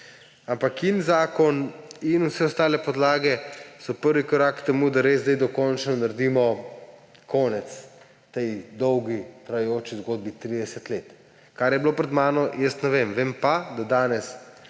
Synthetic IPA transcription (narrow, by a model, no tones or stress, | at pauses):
ampakinzaːkɔninusɛɔst̪aːlɛpɔd̪laːɡɛsɔpəɾʋikɔɾaːkt̪ɛmud̪aɾezzd̪ajd̪ɔkɔnt͡ʃnɔnaɾd̪imɔ | kʰɔnɛt̪s | t̪ɛjd̪ɔwɡit̪ɾajɛjoːt͡ʃizɡoːd̪̚bit̪ɾiːd̪ɛsɛt̪let̪ | kaɾjɛbilopɾɛd̪maːnɔjəst̪nɛʋemʋeːmpad̪ad̪aːnɛs